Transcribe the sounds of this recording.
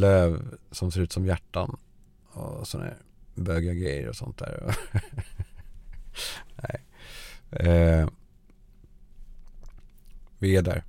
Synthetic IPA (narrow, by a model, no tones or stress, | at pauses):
løːvsɔmseːɾʉ̟ːt̪sɔmjæʈːan | ɔsɔnæ̰ɾ | bøːɡaɡɾɛjːə̰ɾɔsɔnt̪̚d̪æ̰ːɾɔ̰ | næɪ | vɪæɖæ̰ɾ